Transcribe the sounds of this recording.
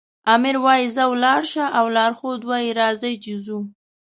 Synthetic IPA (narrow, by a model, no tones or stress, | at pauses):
ɑmɪɾwɑjizawlɑɽʃaʔawlɑɾxod̪wɑjiɾɑzəjt͡ʃizu